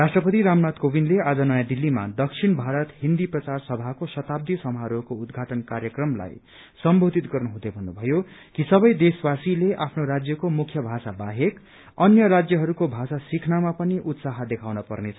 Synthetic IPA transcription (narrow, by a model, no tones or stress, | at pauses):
rasʈrʌpʌt̪iɾamnat̪kobinlead͡zʌnʌjãd̪ilːima̰d̪ʌksʰinbʱaɾʌt̪ɦind̪iprʌt͡sarsʌbʱakosʌt̪ab̚d̪isʌmɦaɾokoud̪ɡʱaʈʌnkarjʌkrʌmla̰j | sʌmbʱod̪it̪ɡʌrnuɦũd̪ebʱʌnːubʱʌjokisʌbʌjd̪eswasileʔapʰnoɾad͡zjʌkomukʰjʌbʱasabaɦek | ʌnjʌɾad͡zjʌɦʌɾukobʱasasikʰnamapʌniʔut̪saɦʌd̪ekʰawnʌpʌ̰rnet͡sʰʌ